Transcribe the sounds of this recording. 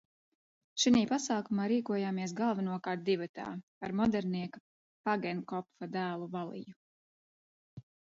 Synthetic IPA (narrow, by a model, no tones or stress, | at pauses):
ʃiniːpasaːkumaːɾiːkuɔjaːmiɛsɡalˠvanuɔkaɾt̪̚d̪ivat̪a̰ːaɾmɔd̪ɛɾniɛka | paɡɛnkɔpfad̪æːlˠuvalˠḭju